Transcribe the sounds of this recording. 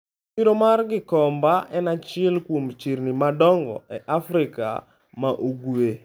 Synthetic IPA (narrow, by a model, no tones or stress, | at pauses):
iɾomarɡɪkɔmbaʔɛnat͡ʃɪɛlkwomt͡ʃirnimadɔŋɡɔ̰ɛʔafɾɪka̰ | maʔuɡwe